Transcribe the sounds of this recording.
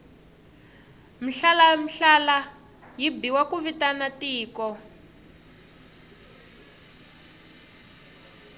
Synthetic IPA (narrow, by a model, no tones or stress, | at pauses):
m̩ɬalam̩ɬala | jibiwakuβitanatiːkɔ